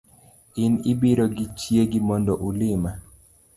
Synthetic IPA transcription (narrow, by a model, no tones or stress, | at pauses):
ɪnɪbiɾoɡɪt͡ʃjeɡɪmɔndɔʔulɪma